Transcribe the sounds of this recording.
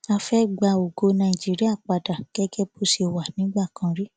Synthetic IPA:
a˧fɛ˦ɡ͡ba˧o˨ɡo˨˧˦nã˧i˨d͡ʒi˦ɾi˦a˦˨k͡pa˨da˨ɡ̥ɛ˦ɡɛ˦bo˦si˧˨wa˨nĩ˨˦ɡ͡ba˦˨kã˧ɾi˦

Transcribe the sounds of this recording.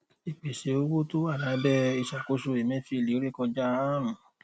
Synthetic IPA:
i˨k͡pe˨ʃe˨˦o˦wo˦to˦a˦˨la˨˦bɛ˦i˧˨ʃa˨ko˨˦ʃo˧e˨mɛ̃˦fi˧˨li˨˦o˦ɾe˦kɔ̃˧d͡ʒa˦a˦ɾũ˨

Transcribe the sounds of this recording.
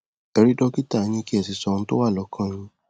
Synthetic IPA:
ɛ˧ɾi˦dɔ˦ki˦ta˦˨˦ɲ̃ĩ˧ki˦ɛ˦˨si˨sɔ˧ñ̩˧˦to˦wa˦˨lɔ˨˦kʰã˦ɲ̃ĩ˧

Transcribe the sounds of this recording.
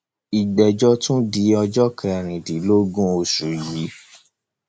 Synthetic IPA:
i˨dɛ˨d͡ʒɔ˦tũ˦di˨˦ɔ˧d͡ʒɔ˦kʰɛ̃˧˨ɾ̃ĩ˨di˨˦lo˦ɡũ˦o˨su˨ji˨˦

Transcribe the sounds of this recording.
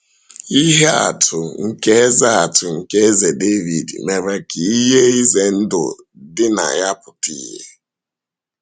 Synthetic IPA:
i˦ɦe˦a̰˨tʰʊ˨ŋ̩˦ke˦e˦za˦a˨tʊ˨ŋ̩˨ke˦e˦ze˨de˦vi˨dme˨ɾe˦ki˨i˦ɦe˦i˦ze˨n̩˦dʊ̰˨ | dɪ˦na̰˨ja˦pʊ˨tḭː˦ɦḛ˦

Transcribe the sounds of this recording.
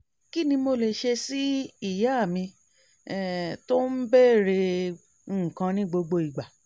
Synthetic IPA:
ki˦nĩ˧mo˧˨le˨ʃe˧si˦i˦˨ja˨˦a˦˨mĩ˧ | ɛ˦˨to˦m̩˦bɛː˦˨ɾe˧ | ŋ̩˦˨kã˧nĩ˦ɡ͡bo˧ɡ͡bo˧i˨ɡ͡ba˨

